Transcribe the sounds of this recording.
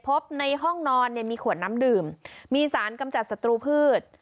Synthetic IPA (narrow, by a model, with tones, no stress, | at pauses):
pʰo˦˥p̚na˧jɦɔ˥˩ŋnɔː˧nːi˥˩əmiː˧kʰu˨˩ənna˦˥mdɯː˨˩mːiː˧saː˩˦nka˧mt͡ɕa˨˩t̪̚sa˧t̪ɾuː˧pʰɯː˥˩t̪̚